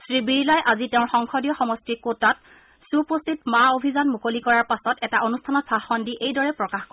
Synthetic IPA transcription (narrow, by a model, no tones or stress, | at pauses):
sɹibiɹilajʔazitɛʊ̃nxɔŋxɔdijɔxɔmɔstikotat̚ | supostʰitmaobʱizanmukolikɔɹaɹpasɔtɛtaʔonustʰanɔtsaxɔndiʔejdɔɹɛpɹɔkaxko